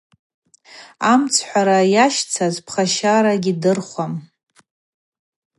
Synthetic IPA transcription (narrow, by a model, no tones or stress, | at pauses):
amt͡sʰħʷaɾajaʃt͡sʰazpʰχaʃaɾaɡʲidɨrχʷam